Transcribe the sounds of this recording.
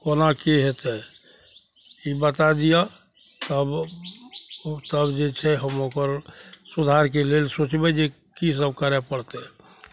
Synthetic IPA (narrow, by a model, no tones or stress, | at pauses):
konakeɦet̪ɛ | ibət̪ad̪ija | t̪əb | t̪əbd͡ʒet͡ʃʰɛɦəmokəɾsud̪ʱaɾkelelsot͡ʃbɛd͡ʒe | kis̬əb̚kəɾɛpəɽt̪e